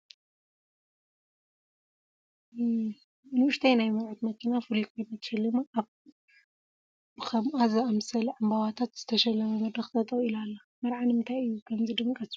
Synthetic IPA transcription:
ɨnwʊʃt̪ʰajnajmɐɾʕut̪mɐkʰinafulikʰo̞jnat̪ʰɐ̥ʃɐlːɨmaʔaβ | bɨkʰɐmazɐamsɐlʕɨmbawat̪ʰat̪z̥ɨt̪ʰɐʃɐlːɐmɐmɐd̪ɾɐxt̪ʼɐt̪ʼɐɣilalːa | mɐɾʕanɨmɨnt̪ʰajɨjːukʰɐmzɨd̪ɨŋkʼɐsu̥

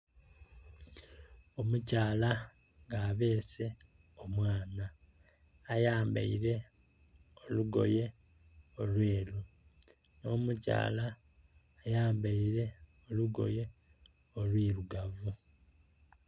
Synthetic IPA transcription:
omucaːla | ŋɡaːβe̞ːse̞ | omwaːnaː | jaːmba̰iɾe̞ | oluɡo̞̰je̞ | olweːlu | no̞ːmuca̰ːlaː | jaːmbaiɾe̞ | o̞luɡo̞̰je̞ | olwiːɾuɡavu

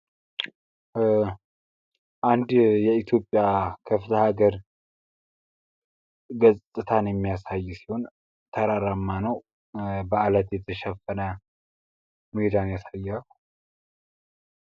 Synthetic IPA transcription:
ʔand̪jɛit̪ʰjo̞pʼːjakʰəfɨt̪ʰəhaɡəɾ | ɡəzʼt̪ʼːɨt̪ʰanjɛmːijasajːusi̥ho̞n | t̪ʰəɾaɾamːanəw | bəalət̪jɛt̪ʰəʃɛfːənə | mued̪anjasajːalu

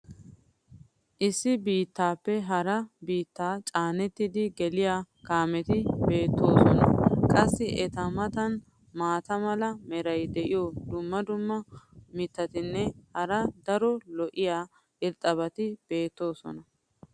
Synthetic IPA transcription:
ʔɪsːɪbiːt̪ːaːpːɛɦɐɾɐbiːt̪ːaːt͡ʃʼaːnɛt̪ːɪd̪ɪɡɛlɪjaːkaːmɛt̪ɪbe̞ːt̪ːo̞ːsɔnɐ̰kʼɐsːɪʔɛt̪ɐmɐt̪ɐn | maːt̪ɐmɐlɐmɛɾɐjd̪ɛʔɪjoːd̪ʊmːɐd̪ʊmːɐmɪt̪ːɐt̪ɪnːɛhɐɾɐd̪ɐɾɔlɔʔɪjaː | ʔɪlt̪ʼːɐβɐt̪ɪb̥e̞ːt̪ːo̞ːsɔ̰nɐ

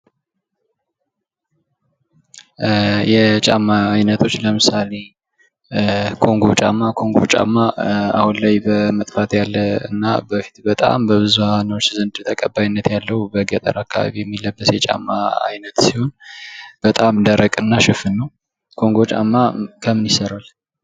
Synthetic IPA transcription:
jɛt͡ʃʼa̰mːaːjnət̪ʰo̞t͡ʃːləmɨsale̞ | kʰo̞ŋɡo̞t͡ʃʼa̰mːakʰo̞ŋɡo̞̰t͡ʃʼa̰mːaa̰hunlajbəmət̪ʼfat̪jalːəɨ̰nːa̰bəfi̥t̪bət̪ʼa̰mbəβɨzuhanəwot͡ʃːzənd̪t̪ʰəkʼəbajinːət̪jalːəhubəɡət̪ʼə̰ɾakːaβa̰βijɛmːilːəbːəsjɛt͡ʃʼa̰mːa̰a̰jnət̪siho̞nb̥ət̪ʼamd̪əɾəkʼɨnːaʃɪfɨnːəw | kʰo̞ŋɡo̞t͡ʃʼa̰mːakʰəmɨnisəɾal

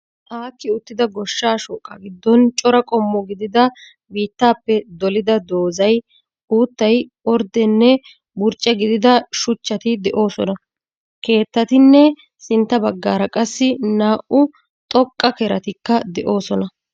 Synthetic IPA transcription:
ʔaːkːɪʊt̪ːɪd̪ɐɡɔʃːaːʃɔːkʼːɐ̰ɡɪd̪ːɔnt͡ʃʼɔɾɐkʼɔmːɔɡɪd̪ɪd̪ɐ | biːt̪ːaːpːɛd̪ɔlɪd̪ɐd̪o̞ːzɐj | uːt̪ːɐj | ɔɾd̪ɛnːɛ | bʊɾt͡ʃʼːɛɡɪd̪ɪd̪ɐʃʊt͡ʃːɐt̪ɪd̪ɛʔo̞ːsɔnɐ | ke̞ːt̪ːɐt̪ɪnːɛ | sɪnt̪ːɐbɐɡːaːɾɐkʼɐsːɪnaːʔʊ | t̪ʼɔkʼːɐkɛɾɐt̪ɪkːɐd̪ɛʔo̞ːsɔnɐ

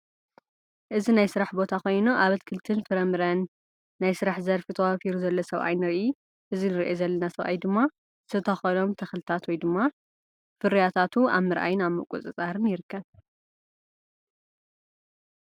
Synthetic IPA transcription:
ʔɨzinajsɨɾaħbo̞t̪ʰako̞jnuʔaβɐt̪kʰɨlt̪ʰɨnfɨɾɐmɨɾɐnː | ajsɨɾaħzɐɾfit̪ʰɐwafiɾuzɐlːɐsɐβa̰jnɨɾiʔu | ʔɨzinɨɾiʔezɐlːɐnasɐβʔa̰jd̪ɨmːa | ɨ̥t̪ʰɨt̪ʰɐxono̞mt̪ʰɐxlɨt̪ʰat̪wɔjd̪ɨmːa | fɨɾijat̪ʰat̪ʰua̰βmɨɾʔa̰jɪnaβmɨkʼṵt͡sʼɨt͡sʼaɾɨnjɪɾɨkːɐβ

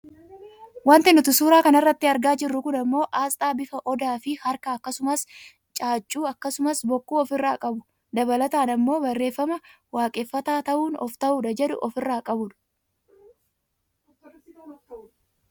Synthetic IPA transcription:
waːnt̪ɪnːʊt̪ʊsuːɾaːkɐnɐrːɐt̪ːɪɐɾɡaːd͡ʒɪrːʊkʊnɐmːo̞ːʔaːst̪ʼaːbɪfɐʔɔd̪aːfɪhɐɾkɐːkːɐsʊmɐs | t͡ʃʼaːt͡ʃʼːuːɐkːɐsʊmɐsbɔkːuːɔfɪrːaːkʼɐbʊ | d̪ɐbɐlɐt̪aːnɐmːo̞ːbɐrːe̞ːfːɐmɐ | waːkʼeːfːɐt̪aːt̪ɐʔuːnɔ̰ft̪ɐʔuːᶑɐd͡ʒɛᶑʊ̰ʔɔfɪrːaːkʼɐbʊᶑɐ̥

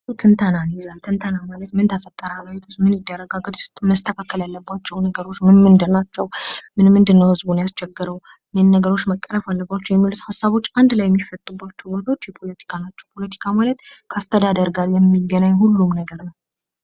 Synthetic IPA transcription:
t̪ʰɨnt̪ʰənanjɛzalt̪ʰɨnt̪ʰənamalət̪mɨnt̪ʰəfət̪ʼːəɾəaɡajɛt̪ʰut͡ʃmɨnjɪd̪ːəɾːəɡaɡəd̪məst̪ʰəkʰakːəlalːəbːat͡ʃːɛwnəɡəɾo̞t͡ʃːmɨnmɨnd̪ənat͡ʃːɛwmɨnmɨnd̪ɨnːəwhɨzbunjast͡ʃɛɡːɨɾəw | mɨnːəɡəɾo̞t͡ʃːməkʼːəɾəfalːəbːat͡ʃːɛwjɛmːilut̪hasːaβo̞t͡ʃːand̪lajːɛmːifət̪ʼːubːat͡ʃːɛbot̪ʰawo̞t͡ʃːjɛpʰo̞lət̪ʰi̥kʰanat͡ʃːɛwpʰo̞lət̪ʰi̥kʰamalət̪kʰast̪ʰəd̪ad̪əɾɡaɾjɛmːiɡːənaɲːhulːumnəɡəɾnəw

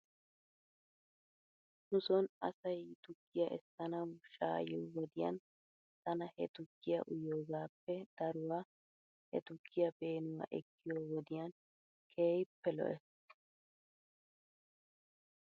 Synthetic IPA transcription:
nʊsɔnɐsɐjt̪ʊkːɪjɐʔɛsːɐnɐwʃa̰ːjoːwɔd̪ɪjɐ̰n | t̪ɐnɐhɛt̪ʊkːɪjɐʔʊjoːɡaːpːɛd̪̥ɐɾʊwaː | hɛ̰t̪ʊkːɪjɐbe̞ːnʊwa̰ːʔɛkːɪjoːwɔd̪ɪjɐn | kʰeːjpːɛlɔ̰ʔɛs

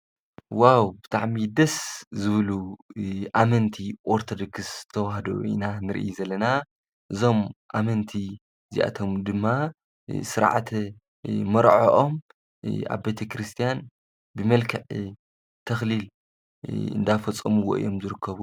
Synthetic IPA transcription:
wawbɨt̪ʰʼa̰ʕmid̪ɐszɨβɨlu | ʔamɐnt̪ʰiʔoɾt̪ʰod̪okɨst̪ʰɐwahɐd̪o̰ʔḭnanɨɾʔijzɐlːɐna | ʔɨzo̞mʔamɐnt̪ʰi | zḭʔa̰t̪ʰo̞md̪ɨmːa | sɨɾ̰ʕa̰t̪ʰ | mɐɾʕo̰ʔom | ʔa̰βbet̪ʰɐkɾɨst̪ʰijan | bɨmɐlkʰɐʕ | t̪ʰɐxlil | ɨ̰nd̪afɐt͡sʼːɐmuwoʔɨ̰jo̞mzɨɾɨkʰːɐβu

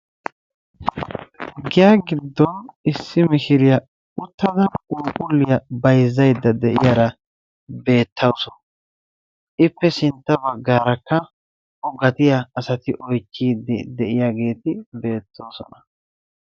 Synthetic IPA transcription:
ɡɪjaɡɪd̪ːɔnɪsːɪmɪʃɪɾɪjɐ | ʊt̪ːɐd̪ɐuːkʼʊlːɪjɐbɐjzːɐjd̪ːɐd̪ɛʔɪjaɾɐ | be̞ːt̪ʰːɐwsɔn | ʔɪpːɛsɪnt̪ːɐbɐɡːaːɾɐkːɐ | ɔɡɐt̪ɪjaːsɐt̪ɪʔɔjt͡ʃːiːd̪ɪd̪ɛʔɪjaɡe̞ːt̪ɪbe̞ːt̪ːo̞ːsɔ̰nɐ

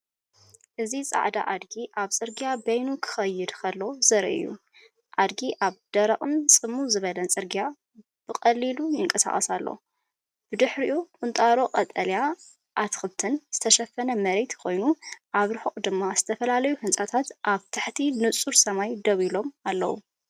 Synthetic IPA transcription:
ʔɨzisʼa̰ʕd̪a̰ʔad̪ɡiʔaβt͡sʼɨɾɡjabɐjnukʰɨ̥xɐjːɨd̪kʰɐlːo̞zɐɾɐ̰ʔɨ̰jːṵ | ʔad̪ɡiʔaβd̪̥ɐɾɐχʼɨmsʼɨmːuzɨβɐlɐnt͡sʼɨɾɡja | b̥ɨkʼɐlːilujɪŋkʼɐsa̰χʼɐsalːo̰ | b̥ɨd̪ɨħɾiʔukʼɨnt̪ʼaɾoqʼɐt̪ʼɐlja | ʔat̪xɨt̪ʰɨnz̥ɨt̪ʰɐʃɐfːɐnɐmɐɾet̪kʰo̞jnuʔaβɾɨħɨʔʼd̪ɨmːaz̥ɨt̪ʰɐfɐlalɐjuhɨnsʼat̪ʰat̪ʔaβt̪ʰɨħt̪ʰinɨt͡sʼuɾsɐmajd̪ɐβilo̞malːɐ̰wṵ

